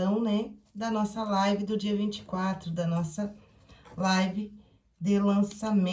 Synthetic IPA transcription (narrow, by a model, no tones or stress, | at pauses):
ɐ̃w̃nɛd̪ɐnɔsɐlajvɪd̪ʊd͡ʒiɐvĩt͡ʃɪ̥kwat̪ɾʊd̪ɐnɔsɐ | lajvɪ | d̪ɪlɐ̃samẽ